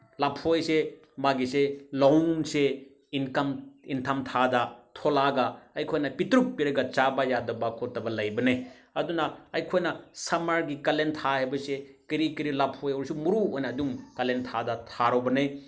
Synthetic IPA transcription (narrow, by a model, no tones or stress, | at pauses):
lapʰojse | maɡiselawnse | inkɐmintʰɐmtʰadɐtʰolaɡɐɐjkʰojnɐpitɾup̚pːiɾɐɡɐt͡ʃabajadɐbɐkʰotɐbɐlɐjbɐne | ɐd̪unɐɐjkʰojnɐsɐmaɾɡikɐlentʰaɦɐjbɐsekiɾikiɾilapʰojɐwɾsumuɾuojnɐːdumkɐlentʰadɐtʰaɾɔbɐnej